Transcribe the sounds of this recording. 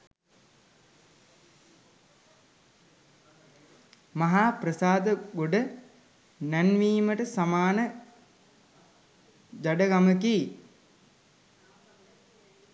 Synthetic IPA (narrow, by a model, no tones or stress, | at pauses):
maɦaːprəsaːd̪əɡoɖə | nænʋiːməʈəsamaːnə | d͡ʒaɖəɡamək̬i